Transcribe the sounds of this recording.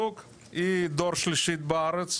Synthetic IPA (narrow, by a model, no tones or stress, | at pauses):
ok | id̪ɔɾʃlɪʃit̪̚baːɾət͡s